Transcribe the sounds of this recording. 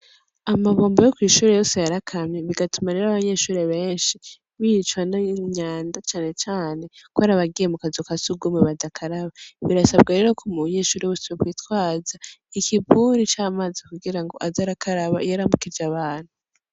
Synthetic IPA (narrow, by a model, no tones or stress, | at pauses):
amaβoːmbojokwiːʃuːɾe̞jo̞ːse̞jaɾakʰamɲeβiɡatumaɾeɾaβaɲe̞ːʃuːɾeβe̞ːnʃi | βiit͡ʃwanaɲaːndat͡ʃaːne̞t͡ʃaːne̞kwaɾaβaɡijemukazokasuɡumeβadakʰaɾaβaβiɾasab̚ɡeɾe̞ːɾo̞kʰumuɲeːʃuːɾewusuβekwiːtwaːzaikʰibuɾit͡ʃaːmaːzikuɡiɾaŋɡo̞̰ʔazaɾakʰaɾaβa̰jeɾamukid͡ʒaβaːn̥hu